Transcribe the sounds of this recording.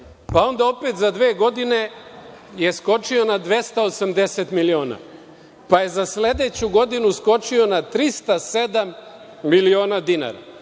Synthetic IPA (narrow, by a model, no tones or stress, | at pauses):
pao̞nd̪ao̞pe̞t̪zad̪ʋeːɡo̞d̪ine̞ | je̞sko̞t͡ʃio̞nad̪ʋe̞st̪aosamd̪e̞se̞t̪milio̞ːna̰ | paje̞zasle̞d̪e̞t͡ɕuɡo̞d̪inusko̞t͡ʃio̞nat̪ɾist̪ase̞d̪amː | ilio̞ːnad̪ina̰ːɾa̰